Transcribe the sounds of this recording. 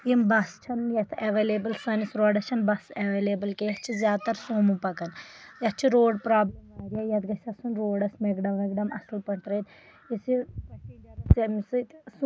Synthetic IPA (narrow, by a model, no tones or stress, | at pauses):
jimbɐst͡ʃʰɐnjɐt̪ʰɐʋeːleːbɐlsɐnisɾoːɖɐt͡ʃʰɐnbɐseʋeːleːbɐlkejɐt͡ʃʰizjaːd̪̚t̪ɐɾsoːmupɐkɐnjɐt͡ʃʰiɾoːɖpɾaːblɐmaːɾijajɐt̪ɡɐsʲɐsunɾoːɖɐsmeɡɖɐmːɐɡɖɐmɐ̰sɨlpɐɳt̪ɾɐt̪ | isipɐijɐɐsɐmisɨt̪s